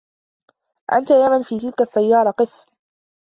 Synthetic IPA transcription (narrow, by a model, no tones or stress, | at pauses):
ʔa̰nt̪ajaːmanfiːt̪ɪlkasːajːɑːɾˤɑqɨf